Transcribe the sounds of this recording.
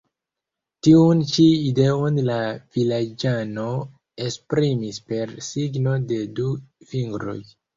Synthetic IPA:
tiunt͡ʃiide̞onlavilad͡ʒano̞ | espɾimispe̞ɾsiɡno̞de̞duviŋɡɾo̞̰j

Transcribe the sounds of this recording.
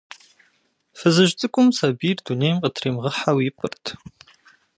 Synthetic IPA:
fɨzɨʒt͡sʼɨkʷʼʊmsaːbiːrdunejmqətʰriːmʁəħawɪpʰʼɨrtʰ

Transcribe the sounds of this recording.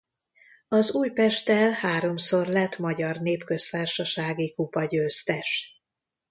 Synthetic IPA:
ɒzuːjpɛʃt̪ɛlhaːɾo̞mso̞rlɛt̪mɒɟɒrneːpkø̞st̪aːrʃɒʃaːɡikupɒɟøːst̪ɛʃ

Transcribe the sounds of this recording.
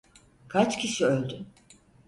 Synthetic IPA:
kʰat͡ʃcʲʰisiølʲd̪y

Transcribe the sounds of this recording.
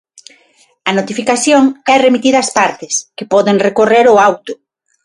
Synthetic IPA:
ɐnot̪ifikaθjoŋɛremit̪iðɐaːspaɾt̪ɪskepɔðeŋrekoreɾʊawt̪ʊ̥

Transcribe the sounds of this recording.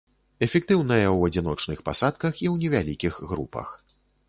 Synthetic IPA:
ɛfʲɛk̚t̪ɨwnɐjɐwɐd͡zʲin̪ɔt͡ʂnɨxpasat̪̚kɐxiwnʲɛvʲalʲikʲixɣɾṵpɐ̰x

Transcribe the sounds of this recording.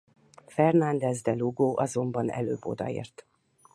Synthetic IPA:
fɛrnɒnd̪ɛzd̪ɛluɡoːʔɒzo̞mbɒnɛ̰løːbːo̞̰d̪ɒḛːrt̪

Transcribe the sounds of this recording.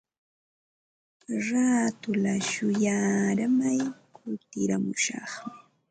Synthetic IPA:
ɾaːt̪ʊlaʃʊjaːɾamajkʊlt̪ɪɾamʊʃɑ̰χmɪ

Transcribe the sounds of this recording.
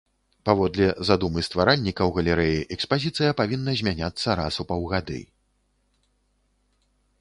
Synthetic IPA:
pavɔd̪lʲɛzad̪umɨst̪vaɾanʲːikɐwɣɐlʲɛɾɛjiʔɛkspazʲit̪sɨjɐpavʲinːɐzʲmʲanʲat̪sːɐɾa̰supawɣad̪ɨ̰

